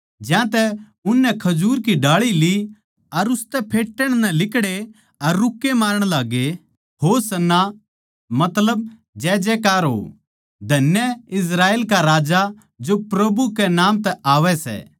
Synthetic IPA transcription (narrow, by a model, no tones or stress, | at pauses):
d͡ʒjãt̪ɛ | ʊnːɛ̃kʰɐd͡ʒuːɾkiɖaːɭili | ɐɾʊst̪ɛpʰeːʈːəɽ̃nɛ̃lɪkɽe | ɐɾːʊkːemaːɾəɽ̃laːɡe | ɦosɐnːa | mɐt̪ləb̚ | d͡ʒɛːd͡ʒɛːkaːɾɦo̰ː | d̪ʱɐnjəɪs̬ɾaːeːlkaɾaːd͡ʒa | d͡ʒopɾɐbukɛnãːmt̪ɛʔaːʋɛsɛ̰ː